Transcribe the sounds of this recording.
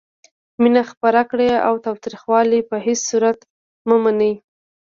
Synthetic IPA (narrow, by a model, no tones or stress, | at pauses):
minaxpaɾakɽeawt̪ɑwt̪ɾixwɑlipəɦessuɾat̪ | məmanəj